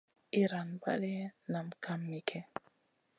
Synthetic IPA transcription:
i˦ɾa˨nba̰˦li˦na˨mkʰa˦mːi˨kʰɛ˦

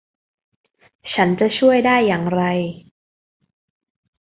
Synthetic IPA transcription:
t͡ɕʰa˦˥nt͡ɕa˨˩t͡ɕʰu˥˩əjdaː˥˩jːaː˨˩ŋɾa˧j

